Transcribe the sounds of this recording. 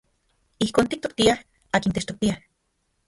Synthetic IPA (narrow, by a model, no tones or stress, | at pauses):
ihkoːnt̪ik̚t̪o̥k̚t̪iah | aːkint̪eʃt̪ok̚t̪iah